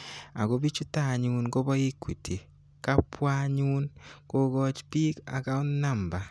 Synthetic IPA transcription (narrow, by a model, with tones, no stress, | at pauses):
a̰˨ɡo˨˦bi˦t͡ʃu˦ta˨ɲu˨nko˦bɔ˦i˦kːwi˨tʰi˨ | ka˦pwa˦ɲu˦nko˦ɡɔ˦t͡ʃpi˦ka̰˨ka˦ʊ˦na˦˨mba˨